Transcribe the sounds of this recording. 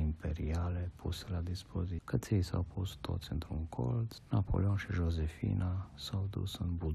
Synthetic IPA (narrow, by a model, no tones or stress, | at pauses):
impʰɛɾiaːlɛpʰusɛlad̪ispʰozikasesa̰wpʰost̪o̰t̪sɛnt̪ɾumkʰolt̪snapʰo̰lʲjonʃɛʒɔzɛfḭːnasawd̪ṵsənbu